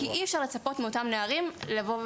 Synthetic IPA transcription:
iʔiɛfʃaʁlet͡sapo̞tmeo̞tamneaʁimlavo̞

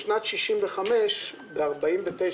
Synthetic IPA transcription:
ʃnat̪ʃiʃimveχameʃ | beaʁbaimvet̪e

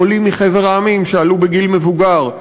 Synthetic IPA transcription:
olimːiχeveʁaːmimʃealubeɡilmevuɡaʁ

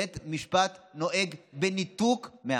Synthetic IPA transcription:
et̪miʃpat̪no̞ʔeɡbenit̪ukme

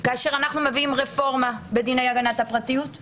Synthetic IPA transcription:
kaːʃe̞ʁanaχnumeviimʁefo̞ʁmabed̪inejaɡanat̪hapʁat̪ijut

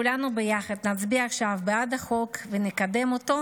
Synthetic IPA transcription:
ulanubejaχad̪nat͡sbiaχʃavbead̪aχo̞kvenekad̪e̞mot̪o̞

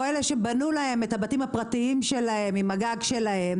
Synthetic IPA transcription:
eleʃe̞banulahe̞methabatimhapʁatiimʃe̞lahe̞mimaɡaɡʃe̞lahe̞m

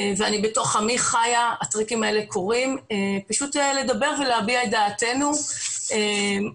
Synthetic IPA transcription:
veanibeto̞χamiχajaat̪ʁikimae̞le̞ko̞ʁimepaʃuteled̪abe̞ʁveleabiaed̪aːte̞nuem

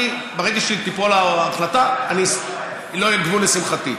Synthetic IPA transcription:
ibeʁeɡaʃelit̪ipolaːχlat̪aanis | loajed̪vunesimχat̪i

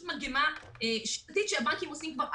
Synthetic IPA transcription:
maɡema | eʃat̪it̪ʃeabaŋkimosimkvaʁʔ

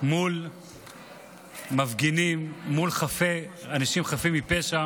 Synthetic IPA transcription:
mul | mavɡinimːulχafeanaʃimχafimipeʃa

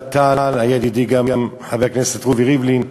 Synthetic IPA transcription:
t̪alajad̪id̪iɡamamħavekneset̪ʁuviʁivlin

